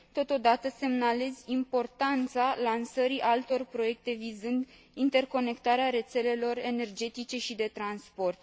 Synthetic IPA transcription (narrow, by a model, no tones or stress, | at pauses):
t̪o̞t̪o̞d̪at̪əse̞mnale̞zʲimpo̞rt̪ant̪salansəɾiʔalt̪o̞rpɾo̞je̞k̚t̪e̞vizɨnd̪ | int̪e̞rko̞ne̞kt̪aɾeaɾe̞t̪se̞le̞lo̞re̞ne̞rd͡ʒe̞t̪it͡ʃe̞ʃid̪e̞t̪ɾanspo̞rt̪